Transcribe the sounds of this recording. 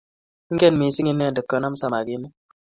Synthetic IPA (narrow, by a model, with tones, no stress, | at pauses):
ŋ̩˦ɡɛ˦˨nmi˨˦si˦ŋi˦nːɛ˦˨də˨kːə˨na˦msa˨ma˨ɡi˦mu˦